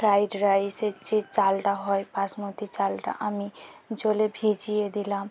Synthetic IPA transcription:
pɾajɖɾajset͡ʃit͡salʈaɦojpasmot̪it͡salʈa̰ʔamid͡ʒolebʱed͡ʒijed̪ilam

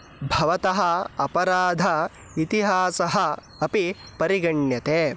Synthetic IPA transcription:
bʱɐʋɐt̪ɐɦɐ̆ɐpɐɾaːd̪ʱɐ | it̪iɦaːsɐɦɐ̆ | ɐpi | pɐɾiɡɐɳjɐt̪eː

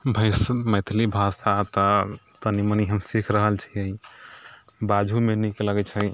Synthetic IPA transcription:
bʱəɪsməjt̪ʰlibʱasat̪ə | t̪əniməniɦəmsikʰɾəɦəlt͡ʃʰiəĩ | bad͡ʒʱumenikeləɡɛt͡ʃʰə

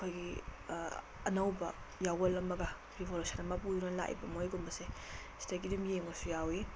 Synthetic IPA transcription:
kʰojɡi | nɐwbɐ | jawɐlːɐmːɐɡa | ɾibolusanɐmapujunɐla̰ʔḭbɐmojɡumbɐsestak̬idumjeŋosujawi

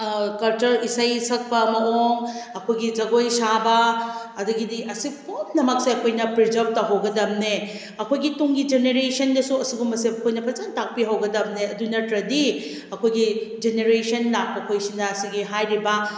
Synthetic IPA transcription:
kɐlt͡ʃɐɾisɐjsɐk̚pɐmɐoŋɐkʰojɡid͡ʒɐɡojsabɐ | ɐduɡidiʔɐsipʰomnɐmɐk̚seɐkʰojnɐpɾid͡ʒɐp̚tɐɦowɡɐdɐmne | ɐkʰojɡituŋɡid͡ʒeneɾesɐndɐsuɐsiɡumɐsebɐkʰojnɐpɐt͡ʃantak̚piɦɐwɡɐdɐmneɐdunɐtɾɐdi | ɐkʰojɡid͡ʒeneɾesɐnlak̚pɐkʰojsinɐːsiɡiɦajɾibɐ

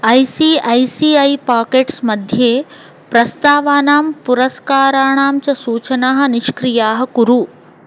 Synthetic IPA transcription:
ɐjsiːɐjsiːɐjpaːkeːʈsmɐd̪ʱjeː | pɾɐst̪aːʋaːnaːmpuɾɐskaːɾaːɳaːmt͡ʃɐsuːt͡ʃɐnaːɦɐ̆niʃkɾijaːɦɐkuɾu

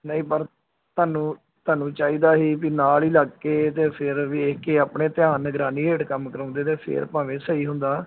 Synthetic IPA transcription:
nəĩːpəɾ | t̪aːnũː | t̪aːnũːt͡ʃaːiːd̪aːɦiːpiːnaːliːləɡkːeːt̪̬eːpʰɪɾʋekeːaːpɳeːt̪ɪjaːnɡɾaːniːeːʈkəmkəɾɔ̃ːnd̪eːt̪eːpʰɪ̰ɾpãːʋẽːsəiːɦʊ̃nd̪aː

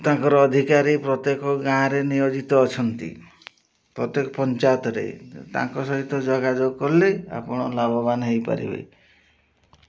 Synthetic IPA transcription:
t̪ãŋkɔɾɔːd̪ʱikaɾipɾɔt̪jekɔɡãɾenijod͡ʒit̪ɔːt͡ʃʰɔnt̪ḭ | pɾɔt̪jekɔpɔnt͡ʃat̪ɔɾḛt̪ã̰ŋkɔsɔɦit̪ɔd͡ʒɔɡad͡ʒoɡkɔɾlea̰pɔɽ̃ɔlabɔbanɦejpa̰ɾḭbḛ

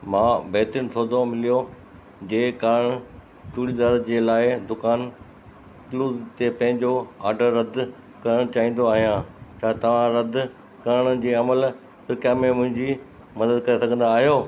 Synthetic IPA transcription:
mãːbʱeːt̪ɾənsʰoːd̪õmɪlijo | d͡ʑeːkaːɾəɽ̃ | t͡ɕuːɽid̪aːɾd͡ʑeːlaːɪd̪ʊkaːn | kɪluːzt̪epɐ̃ɦɪ̃ɲd͡ʑoaːɖəɾːɐd̪ʱ | kɐɾəɽ̃t͡ɕaːɦĩːn̆d̪oaːɦijãt͡ɕʰaːt̪ɐʋ̤ãɾɐd̪ʱ | kɐɾəɽ̃ə̆d͡ʑiːɐməl | pɾkjaːmẽmʊ̃ɦɪ̃ɲd͡ʑiː | mɐd̪əd̪̚kɐɾesɐɡʱə̃nd̪aːɦijoː

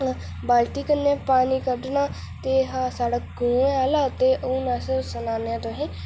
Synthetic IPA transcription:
baːlt̪iːkənːãːpaːniːkəɖnaː | t̪eːɦaːsaːɽaːɡũːeaːlaːt̪eːʔunaːssənaːnejãːt̪oɦẽː

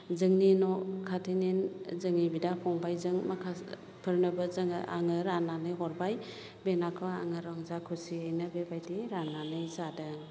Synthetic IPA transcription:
zɯŋninɔkʰatʰininzɯŋnibidakʰɔŋbajzɯŋmakʰa | pʰɯɾnɯbɯzɯŋɯʔa̰ŋɯɾananɯjɦɔɾbaj | benakʰɔa̰ŋɯɾɔŋzakʰɯsiajnɯbebajdiɾananɯjzadɯŋ

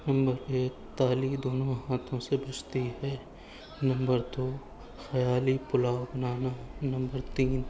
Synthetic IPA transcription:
nɐ̃mbəɾeːk̚t̪aːlid̪oːnõɦãːt̪ʰõsebɐt͡ʃt̪iɦɛː | nɐ̃mbəɾd̪oː | xɐjaːlipʊlaːobɐnaːnanɐ̃mbəɾt̪iːn

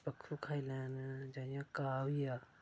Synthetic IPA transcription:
pəkʰːukʰaːilɛːnd͡ʒaːjãkaːwija

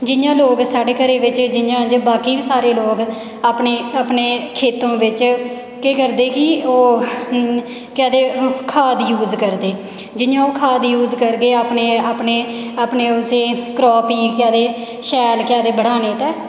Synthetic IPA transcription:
d͡ʒɪnjãːloːɡsaːɽeːkəɾeːʋɪt͡ʃd͡ʒɪjãːd͡ʒbaːkiːbiːsaːɾeːloːɡ | aːpneːaːpneːkʰeːt̪õːʋɪt͡ʃ | keːkəɾd̪eːkɪoː | kɪaːd̪eːkʰaːd̪juːzkəɾd̪eː | d͡ʒɪnjãːoːkʰaːd̪juːzkəɾɡeːaːpneːaːpneːaːpneːʊseːkɾɔːpiːkɪjaːd̪eː | ʃɛːlkɪjaːd̪eːbəɽaːneːt̪ɛː

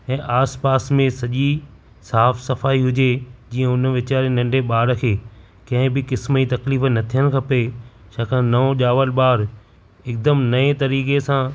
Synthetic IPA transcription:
ɛ̃ːʔaːspaːsmẽsɐʄi | saːfsɐfaːiɦʊd͡ʑed͡ʑiːə̃ʊnʋɪt͡ɕaːɾenɐ̃ɳɖeɓaːɽkʰeː | kɐ̃ɦɪ̃bɪkɪsməit̪ɐkliːfnɐt̪ʰijənɪ̆kʰɐpe | ʃaːkʰãnɐõʄaːʋəlɓaːɾ | ɪk̚d̪əmnɐet̪ɐɾiːkesãː

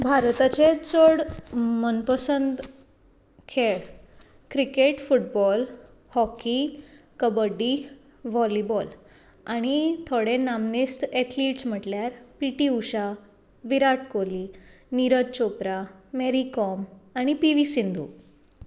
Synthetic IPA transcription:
bʱaɾt̪at͡ɕet͡soɽmənpəsənd̪ | kʰeɽ | kɾikeʈfuʈ̚bɔl | hɔki | kəbəɖːi | ʋɔlibɔl | aɽ̃it̪ʰoɽẽnamnist̪eʈʰliʈsm̤əʈljaɾpiʈiuɕa | ʋiɾaʈkoli | niɾəd̪̚t͡ɕopɾameɾikɔmaɽ̃ipiʋisind̪u

